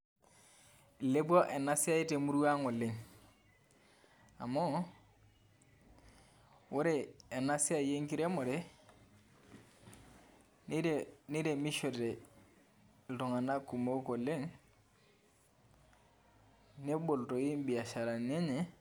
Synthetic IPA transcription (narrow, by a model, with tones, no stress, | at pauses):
le˦bwɔ˦ʔe˨na˦si˦a˦i˦te˨mu˦ɾu˦a˦ŋo˨le˨ŋ | a̰˨mo˦ | wo˦ɾe˦˨e˨na˦si˦a˦˨je˦ŋki˦ɾe˦mɔ˨ɾe˦ | ni˦ɾe˨ni˦ɾe˨mi˦ʃo˨ɾe˨ | lto˨ŋa˨na˦ku˨mo˦ko˨le˦ŋ | ne˦bo˨lto˨ji˦m˦bi˨a˨ʃa˨ɾa˨ne˦ɲe˨